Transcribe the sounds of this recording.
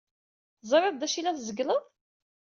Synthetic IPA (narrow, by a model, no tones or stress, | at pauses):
θzˤɾˤɪðˤd̪æʃilæθzəɡləðˤ